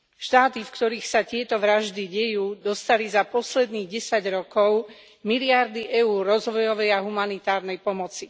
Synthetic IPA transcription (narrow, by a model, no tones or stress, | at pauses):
ʃt̪aːt̪ifkt̪ɔɾiːxsat̪ɪɛt̪ɔʋɾaʒd̪iɟɛjuːd̪ɔst̪alizapɔslɛd̪niːɣɟɛsaɟɾɔkɔʊ | miliaɾd̪iʔɛuːrːɔzʋɔjɔʋɛjaɦumanit̪aːɾnɛjpɔmɔt͡si